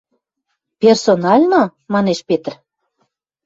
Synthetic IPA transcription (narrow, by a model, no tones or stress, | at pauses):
pʲersonɑlʲnomɑneʃpet̪r